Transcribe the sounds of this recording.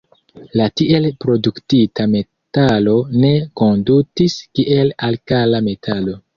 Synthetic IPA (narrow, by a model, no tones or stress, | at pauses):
latiʔe̞lpɾo̞duktitʰame̞ | talo̞ne̞ko̞ndutiskiʔe̞lalkalame̞tʰalo̞